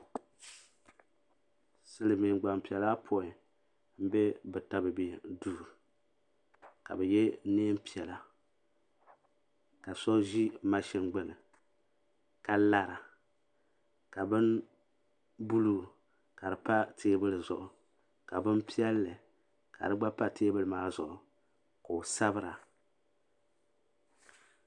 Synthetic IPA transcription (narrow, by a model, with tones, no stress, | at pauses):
sɨ˦lɨ˨mi˨ɡ͡ba˨m˨pi˨ɛ˨laː˦pʰo˦˨ɪ˨ | m̩˦bɛ˦bɨ˨ta˦bɨ˨be˨duː˦˨ɾ | ka̰˨bɛ˨jɛ˦neː˦m˦pi˨ɛ˨la˨ | ka˨sɔ˦ʒi˦ma˦ʃɛ˦ŋɡ͡bɨ˨nɨ˨ | ka˨la˨ɾa˨ | ka˨bɨ˦n | bu˦lu˦˨ | ka˨dɨ˨pa˦tʰeː˦bɨ˦lɨ˨zʊ̰˨ʔʊ˨ | ka˨bɨ˦npi˦ɛ˦lːɨ˨ | ka̰˨dɨ˦ɡ͡ba˦pa˦teː˦bɨ˦lɨ˨maː˦zʊ˨ʔʊ˨ | ko˨sa˦bɨ˦ɾa˨